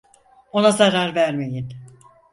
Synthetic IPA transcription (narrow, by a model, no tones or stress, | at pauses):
o̞nazaɾaɾvæɾme̞jin